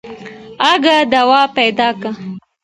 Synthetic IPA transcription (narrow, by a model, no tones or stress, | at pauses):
aɡad̪awɑpajd̪ɑka